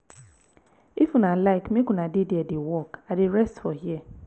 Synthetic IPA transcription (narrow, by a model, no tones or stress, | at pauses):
ifunalaɪkmikʊnadɪdiedɪwɔkadɪɾɛstfɔɦjiɛ